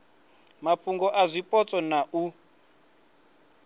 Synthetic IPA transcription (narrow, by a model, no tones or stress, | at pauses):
mapfuŋɡɔʔazʷipʼɔt͡sʼɔnaʔu